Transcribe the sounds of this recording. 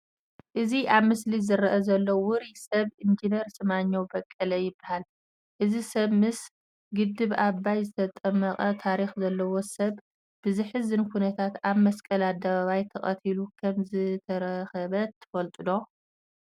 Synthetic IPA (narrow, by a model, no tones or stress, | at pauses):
ʔɨziʔaβmɨslizɨɾɐʔɐzɐlːowʊɾisɐβʔɨnd͡ʒineɾsɨmaɲːowbɐkʼːɐlɐjɪbːahal | ʔɨzisɐβmɨs | ɡɨd̪ːɨβaβːajzɨt̪ʰɐt̪ʼɐmːɐqʼɐt̪ʰaɾixzɐlːɐwosɐβ | b̥ɨzɨħɨzɨnkʰunɐt̪ʰat̪aβmɐskʼɐlad̪ːɐβaβajt̪ʰɐχʼɐt̪ʰilukʰɐmzɨt̪ʰɐɾɐxɐβɐt̪ʰːɨ̥fɐlt̪ʼɨd̪o̞